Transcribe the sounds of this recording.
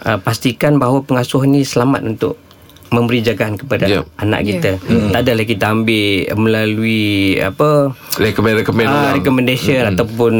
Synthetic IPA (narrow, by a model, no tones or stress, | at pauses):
ʔəpast̪ikanbaɦwapəŋasʊhnisəlama̰t̪̚unt̪ʊ̰ʔ̚ | mə̃mbəɾid͡ʒaɡaʔankəpada̰ana̰ʔkit̪at̪adalahkit̪aambɪməlaluia̰pəɾɛkɔɛɾɛkomɛ̃ɾɛkɔmɛ̃ndasiənat̪awpʊn